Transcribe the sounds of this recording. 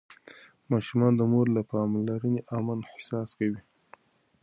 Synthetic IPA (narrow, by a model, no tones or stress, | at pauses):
mɑʃumɑnd̪əmoɾlapɑmlaɾəneʔamanhɪ̥sɑskawi